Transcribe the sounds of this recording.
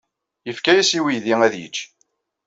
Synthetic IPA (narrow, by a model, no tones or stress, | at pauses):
jəfkæjæsiwiðiŋæðjə̰t͡ʃː